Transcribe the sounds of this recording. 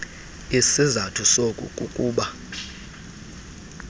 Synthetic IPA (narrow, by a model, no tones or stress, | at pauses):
isizatʰusokʼṵkʼukʼuːɓa